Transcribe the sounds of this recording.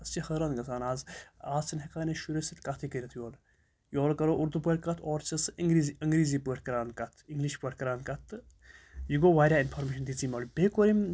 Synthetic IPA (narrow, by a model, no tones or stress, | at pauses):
ɐst͡ʃihəɾaːnɡɐsaːnaːzaːzt͡sinɦɐkaːneʃuɾesit̪kat̪ʰikəɾʲɐt̪ʰjoːl | joːlkɐɾoʔuɾd̪upəɽkɐt̪ʰɔːɾt͡ʃɐsiŋɡɾiziɐŋɡɾiːzipeʈʰkɐɾaːnkɐt̪ʰiŋɡliʃpəʈʲkɐɾaːnkɐt̪ | jiɡoʋaːɾʲaːinfʰoːɾmeːʃɐnd̪it͡siːmɐːlbeːkoɾim